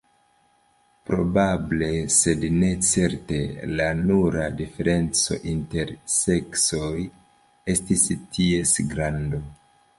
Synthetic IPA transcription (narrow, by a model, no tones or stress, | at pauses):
pɾo̞bable̞se̞dne̞t͡se̞ɾte̞lanuɾadife̞ɾe̞nt͡so̞̰ʔinte̞ɾse̞kso̞j | e̞stistʰie̞sɡɾando̞